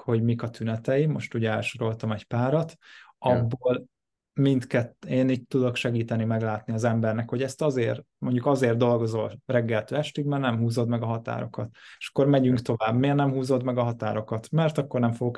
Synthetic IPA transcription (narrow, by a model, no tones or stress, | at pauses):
ho̞ɟmikɒt̪ʰynɛt̪ɛjimo̞̰ʃt̪uːɟɛ̰lʃo̞ɾo̞lt̪ɒmɛɟpaːɾɒt̪ɒbːoːl | mint̪kɛt̪ːeːniːɟ̚t̪ːud̪o̞kʃɛɡiːt̪ɛnimɛɡlaːt̪niɒzɛmbɛrnɛkho̞ɟɛst̪ɒzeːr | mo̞ɲɟukɒzeːrd̪o̞lɡo̞zo̞lrɛɡːɛlt̪øːɛʃt̪ikmɛrnɛmɦuːzo̞d̪mɛɡɒɦɒt̪a̰ːɾo̞̰kɒt̪eʃɒ̥kːo̞ɾmɛɟyŋkt̪o̞vaːbmeːrnɛmhuːzo̞d̪mɛɡɒɦɒt̪aːɾo̞kɒt̪mɛrt̪ɒkːo̞rnɛmfo̞ɡok